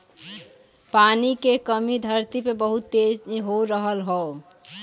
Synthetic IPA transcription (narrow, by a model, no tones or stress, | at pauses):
paːnikekəmid̪ʱəɾt̪ipebəɦʊt̪ːed͡ʒɦoɾəɦəlɦɔː